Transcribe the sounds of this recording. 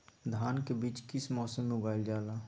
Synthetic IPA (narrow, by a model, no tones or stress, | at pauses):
d̪ʱaːnkebiːt͡ʃkɪsmɔːsəmːeʊɡaːjld͡ʒaːlaː